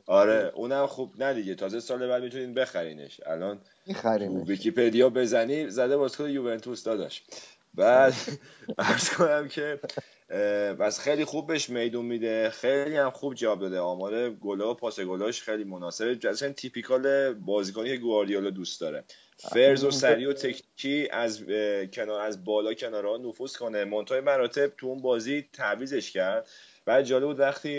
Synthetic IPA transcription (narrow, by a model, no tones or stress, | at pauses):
ɒɾeʔunæmχubnæd̪iɟet̪ʰɒːzesɒːle̞bæɾd̪mit̪ʰuniːnbe̞xæɾḭːnḛʃæ̰lɒːn | ɾt̪uvicʰipʰe̞d̪ijɒbe̞zænizæd̪ebɒːzi̥kʰonejuvent̪ʰusd̪ɒd̪ɒ̰ʃ | bæd̪æɾz̥kʰo̞næmcʰe̞ | pʰæsxejlixub̚ːeʃme̞jd̪unmid̪e̞xejlihæmxubd͡ʒævɒːb̚d̪ɒːd̪eɒːmɒːɾe̞ɡolɒopʰɒːseɡolɒːʃxejliːmonɒːse̞bed͡ʒæsænt̪ʰipʰikʰɒːlebɒːziːkonicʰe̞ɡuɑɾd̪iolɒd̪ust̪d̪ɒːɾe | feɾzosæɾiːo̞t̪ʰe̞cʰnicʰiæzcʰenːɾæzbɒːlɒːcʰe̞nɒːɾehɒnofuskʰo̞nemont̪ʰɒːjemæɾɒːt̪ʰe̞b̚t̪ʰuunbɒːzit̪ʰæviːze̞ʃcʰæɾd̪̥ | bæːd̪̚d͡ʒɒːlbud̪væxt̪ʰiː